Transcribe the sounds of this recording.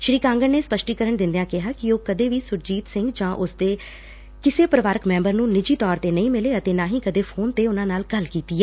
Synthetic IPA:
ʃɾiːkãːŋɡəɳneːspəʃʈiːkəɾəɳd̪ɪ̃nd̪ejãːkɪɦaːkɪoːkəd̪eːʋiːsʊɾd͡ʒiːt̪sɪ̃ŋɡd͡ʒãːʔʊsd̪eː | kɪseːpɾəʋaːɾəkmɛ̃ːmbəɾnũːnɪd͡ʒiːt̪ɔːɾt̪eːnəĩːmɪleːət̪eːnãːɦĩːkəd̪eːpʰoːnt̪eːʊnãːnaːlɡəlkiːt̪iːɛː

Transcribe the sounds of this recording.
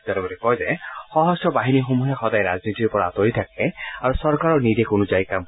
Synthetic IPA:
tatɛbɔɾɛkɔjzɛxɔɦɔsɔbaɦinixomuɦexɔdaɛɾaznit̪iɾpɔɹaːt̪oɦjt̪ʰak̚ɛaɹusɔɹkaɹɔɹniɾekonuzajkam

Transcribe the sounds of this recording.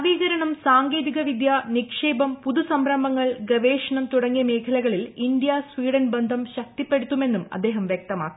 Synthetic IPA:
ʋiːɣɐɾɐɳɐmsaːŋɡe̞ːðiɣɐʋid̪jaːnikʂeːbɐmpuðusɐmbɾɐmbɐŋːɐɭɡɐʋeːʂɐɳɐmt̪uɽɐŋːijɐme̞ːkʰɐlɐɣɐɭilind̪jaːsʋiːɽɐnbɐnd̪ʱɐmɕɐk̚t̪ipːe̞ɽut̪ːume̞nːumɐ̰d̪ːe̞ːɦɐmʋjek̚t̪ɐma̰ːkːu

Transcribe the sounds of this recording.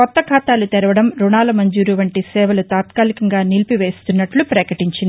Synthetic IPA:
kɔt̪ːɐkʰaːt̪aːlut̪ɛɾɐʋɐɽɐmɾuɳaːlɐmɐɲd͡ʒuːɾuʋɐɳʈisɛːʋɐlut̪aːt̪kaːlikɐŋɡaːnilpiʋe̞ːst̪unːɐʈlupɾɐkɐʈiɲt͡ʃind̪i

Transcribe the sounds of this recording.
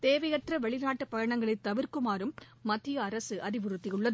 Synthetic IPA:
t̪eːʋɐjɐt̪rɐʋɛɭɪnaːʈːɯpɐjɐɳɐŋɡɐɭɐɪt̪ːɐʋɪɾkɯmaːɾɯmːɐt̪ːɪjɐːɾɐsɯʔɐɾɪʋɯɾɯt̪ːɪjɯɭːɐð

